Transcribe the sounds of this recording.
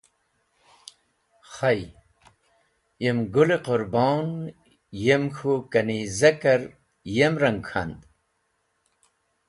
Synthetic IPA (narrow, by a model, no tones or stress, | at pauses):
χaj | emɡuleqʊɾboːn | jemxukɐnizɐkɐɾ | jemɾɐŋɡxʰa̰nd̪